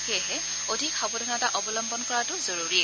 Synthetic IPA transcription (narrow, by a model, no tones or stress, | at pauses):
kɛɦɛ | odʱikxɔbɔdʱɔnataʔɔbɔlɔmbɔnkɔɹatʊzoɹuɹi